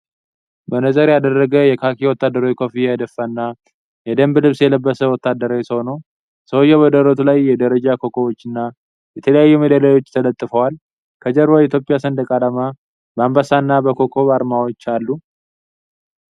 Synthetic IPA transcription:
bənəzʼəɾjad̪ərːəɡəjɛkʰakʰiwɔt̪ːad̪ːəɾajkʰofijad̪əfːanːa | jɛd̪əmblɨβsjɛləbːəsəwɔt̪ːad̪ːəɾawjsəhonəw | səwojɛβəd̪əɾət̪ʰulajːɛd̪əɾəd͡ʒakʰo̞kʰowot͡ʃːɨnːa | jɛt̪ʰələjajːɛmed̪alajo̞t͡ʃːt̪ʰələt̪ʼːɨfəwal | kʰəd͡ʒəɾbait̪ʰjo̞pʼɪjasənd̪əkʼalama | bəambasanːabəkʰokʰo̞βaɾmawot͡ʃːalːu

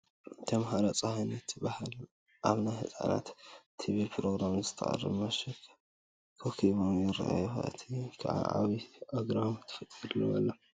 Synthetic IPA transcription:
t̪ʰɐmɦaɾat͡sʼɐhajnɐt̪ʰːɨbahal | ʔaβnajhɨt͡sʼa̰na̰t̪ʰːiβilpʰɾoɡɾamzɨt̪ʰɐ̰ʔʼɐ̰rːɨ̰βmɐʃɐkʰ | kʰokʰiβomjɪra̰ʔa̰juxa̰ɨ̰t̪ʰikʰa̰ʕa̰ʔa̰βiʔoɡɾamt̪ʰːɨ̥fɐt̪ʼiɾlowɐlːɐ

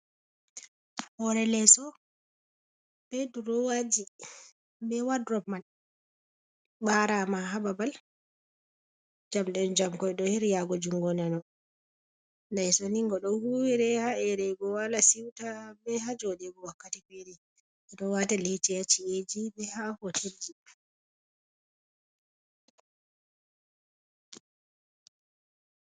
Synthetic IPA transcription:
hɔɾɛlɛsɔ | b̥ɛduɾɔwad͡ʒi | bɛwadɾɔman | ɓaɾamaɦababal | d͡ʒamɗɛnd͡ʒamkɔjɗɔhiɾjaɡɔd͡ʒuŋɡɔnanɔ | najsoniŋɡɔɗɔhuwiɾɛhaɛɾɛɡɔwalasiwtabɛhad͡ʒɔɗɛbɔwakːatifɛɾɛ | ɛɗɔwatalit͡ʃɛjat͡ʃied͡ʒibɛhahotʰeld͡ʒi

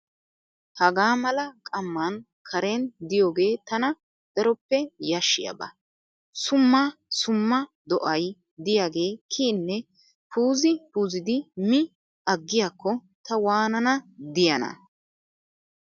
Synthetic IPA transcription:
hɐɡaːmɐlɐkʼɐmːɐn | kʰɐɾend̪ɪjo̞ːɡe̞ːt̪ɐnɐ | d̪̥ɐɾɔpːɛjɐʃːɪ̰jɐ̰bɐ̰ | sʊmːɐsʊmːɐ | d̪ɔʔɐj | d̪ɪjaːɡe̞ːkʰiːnːɛ | puːzɪpuːzɪd̪ɪmɪ | ɐɡːɪjakːɔ | t̪ɐwaːnɐnɐd̪ɪjɐnɐ̰

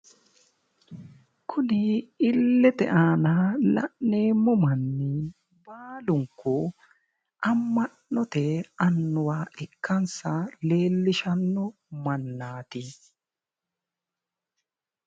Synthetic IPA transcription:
kʰʊnɪɪlːɛt̪ɛ̰ʔaːnalɐ̰ʔneːmʊmɐnːɪ | baːlʊŋkːɔ | ʔɐmːɐʔːɔt̪ɛɐnːʊwaːʔɪkːɐnsɐle̞ːlːɪʃɐnːɔ | mɐnːaːt̪i

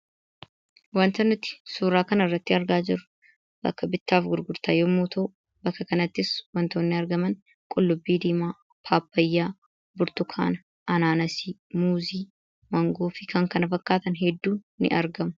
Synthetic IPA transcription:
wɐnt̪ɐnːɪt̪ːɪ̥suːɾaːkɐnɐɪrːɐt̪ːɪɐɾɡaːd͡ʒɪɾʊ̥ | bɐ̰kːɐbɪt̪ːaːfɡʊɾɡʊɾt̪aːjoːmuːt̪ʰoː | bɐkːɐkɐnɐt̪ːɪswɐnt̪oːnːɪɐɾɡɐmɐn | kʼʊlːʊbːiːd̪iːmaː | pʰaːpːɐjːaː | bʊɾt̪ʊkʰa̰ːnɐ | ʔɐnaːnɐsiːmuːziː | mɐŋɡoːfɪkɐŋkɐnɐfɐkːaːt̪ɐnɦɛd̪ːuːnːɪ̰ʔɐɾɡɐmʊ̥

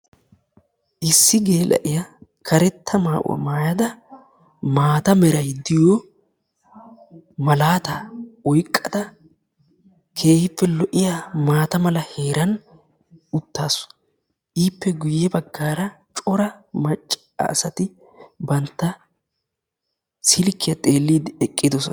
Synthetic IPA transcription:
ʔɪsːɪɡeːlʔɐ̰ʔɪjɐkʰɐɾɛt̪ʰːɐmaːʔʊ̰wɐ̰maːjɐd̪ɐ | maːt̪ɐmɛɾɐjd̪ɪjo | mɐlaːt̪ɐɔjkʼːɐd̪ɐ | kʰe̞ːhɪpːɛlɔʔɪjamaːt̪ɐmɐlɐhe̞ːɾɐn | ʊt̪ːaːsɔ̥ | ʔiːpːɛɡʊjːɛbɐɡːaːɾɐ | t͡ʃʼɔɾɐmɐt͡ʃʼː | ɐ̰ːsɐt̪ɪ | bɐnt̪ːɐ | sɪlkːɪjɐt̪ʼe̞ːlːiːd̪ɪɛkʼːɪd̪ɔsɔ

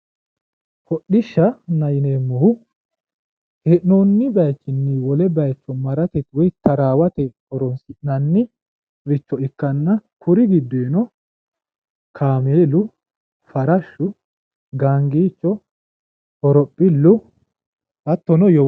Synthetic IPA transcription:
fɔɗːɪʃːɐnɐjɪneːmːɔhʊ | heʔnoːnːɪbɐjt͡ʃːɪnːiwɔlɛbɐjt͡ʃːɔmɐɾɐt̪ɛt̪wɔjt̪ʰɐɾaːwɐt̪ɛhɔɾɔnsɪʔnɐnːɪ | ɾɪt͡ʃːɔɪkːɐnːɐkʰʊɾɪɡɪd̪ːeːnɔ | kʰaːmeːlʊ | fɐɾɐʃːʊ | ɡaːŋɡiːt͡ʃːɔ | hɔɾɔpʼːɪlːʊ | ɐt̪ːɔnɔjɔ

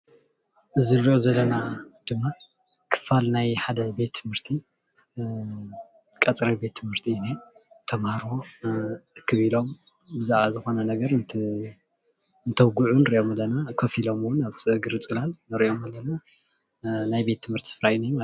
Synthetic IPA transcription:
ʔɨziɾiʔozɐlːɐnad̪̥ɨmːa | kʰɨ̥falnajħad̪ɐbe̞t̪ʰːɨmhɨɾt̪ʰi | kʼɐt͡sʼɾɐbe̞t̪ʰːɨmhɨɾt̪ʰiunet̪ʰɐmaɾo | ɨkʰːɨβilo̞m | bɨzaʕβazɨxo̞nɐnɐɡɐɾɨnt̪ʰ | nt̪ʰɐβɡuʕunɨɾiʔo̞malːɐnakʰofilo̞mwʊnaβt͡sʼɨɡɨɾɨt͡sʼɨlalnɨɾiʔo̞mɐlːɐna | najbe̞t̪ʰːɨmhɨɾt̪ʰi̥sɨfɾajnijma

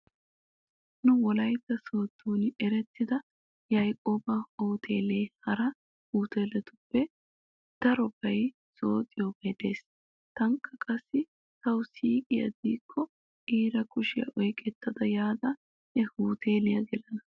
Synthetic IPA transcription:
nʊwɔlɐjt̪ːɐso̞ːt̪ːuːnɛɾɛt̪ːɪd̪ɐ | jɐjkʼoːbɐhoːt̪ʰeːleːhɐɾɐ | huːt̪eːlɛt̪ʊpːɛ | d̪̥ɐɾɔbɐj | soːt̪ʼɪjobɛd̪e̞ːs | t̪ɐŋkːɐkʼɐsːɪ | t̪ɐwsiːkʼɪjɐ̰d̪iːkʰːɔ | ʔiːɾɐkʊʃɪjɐ̰ʔɔjkʼɛt̪ːɐd̪ɐjaːd̪ɐ | hɛhuːt̪ʰeːlɪjɐɡɛlɐnɐ

